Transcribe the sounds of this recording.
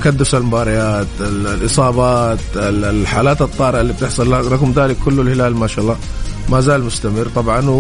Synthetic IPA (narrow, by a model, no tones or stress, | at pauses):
kad̪ːʊsalmʊbɑːɾˤɪjaːt̪lʔɨsˤɑːbɑːt̪ɪħaːlaːt̪ɨt̪ˤːɑːɾɪʕalːiːb̚t̪ɪħsˤʊlːɾˤɑɣʊmd̪aːlɪkːʊlːʊlhɪlaːlmaːʃaːʔlˤːɑː | mazaːlmʊst̪amɪrt̪ˤɑbʕɑn